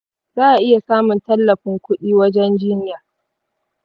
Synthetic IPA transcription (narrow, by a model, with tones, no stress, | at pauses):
zaː˦ʔa˨ʔɪ˦ja˨saː˦mʊ˨ntɐ˦lːɐ˨ɸɪ˨˦ŋkʷʊ˦ɗiː˦wɐ˦d͡ʒɛ˦nd͡ʒiː˦nɪ˦jaː˨